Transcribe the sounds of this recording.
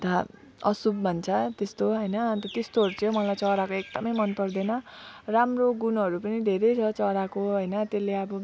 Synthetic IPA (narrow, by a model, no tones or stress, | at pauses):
t̪a | ʌ̰subbʱʌnt͡sʰʌt̪est̪oɦʌjnʌt̪ʌt̪est̪oʌɾut͡sʰijõmʌlajt͡sʌɾakoek̚d̪ʌmʌjmʌnpʌrd̪ʌnʌramroɡunɦʌɾupʌnid̪ʱeɾʌjt͡sʰʌt͡sʌɾakoɦʌjnʌt̪elːeʌbʌ